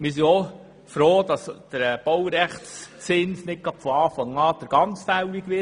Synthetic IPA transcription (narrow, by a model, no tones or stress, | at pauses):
mɪs̬iɔ | fɾoːd̥̪ɑsd̪̥əɾɛb̥ɔwɾɛχtst͡sɪnsnɪt̚ɡ̥ɑtfɔɑːfɑŋɑːd̥əɾɡ̥ɑnt͡sfæwikʋɪ